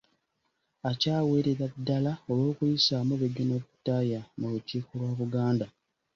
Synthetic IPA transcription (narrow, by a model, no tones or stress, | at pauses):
acaːwe̞ɾeɾadːalao̞lo̞ːkujisamuβeɡonoβutːajamuluciːkolwaːβuɡaːnda